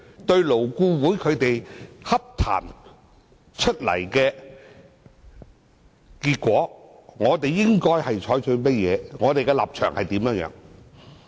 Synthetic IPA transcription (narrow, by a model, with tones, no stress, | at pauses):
t̪ɵ˧ɥlo˨˩wkuː˧wuː˨˥jkʰɵ˨˧t̪e˨jhɐ˥p̚t̪ʰa̰ː˨˩n | t͡ʃʰɵ˥t̚lɐ̰˨˩jkɛː˧ | kiː˧t̚kʷɔː˨˥ŋɔː˨˧t̪e˨jːɪ˥ŋkɔː˥jhɐ˨jt͡ʃʰɔː˨˥jt͡ʃʰɵ˧ɥmɐ˥t̚jɛː˨˧ŋɔː˨˧t̪e˨jkɛ˧la̰ː˨p̚t͡ʃʰœː˨˩ŋhɐ˨jt̪iː˨˥mjœː˨˧˥jœ̰ː˨˧˥ŋ